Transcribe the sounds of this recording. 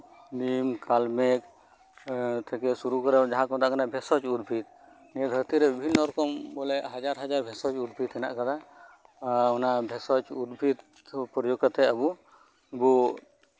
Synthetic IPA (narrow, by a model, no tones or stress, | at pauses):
nimkalmɛk | t̪ʰɛkɛsuɾukɔɾɛd͡ʒaɦãkɔ̃t̪aʔkanabʱɛsɔt͡ʃud̪̚bʱit̪̚ | nɛɛd̪ʱəɾt̪iɾɛbibʱinːɔɾɔkɔmbɔlɛʔɦad͡ʒaɾɦad͡ʒaɾbʱɛsɔt͡ʃud̪̚bʱit̪ɛna̰ʔkad̪a | ɔnabʱɛsɔt͡ʃud̪bʱit̪̚ | pɾɔjoɡkɔt̪ɛabu | bu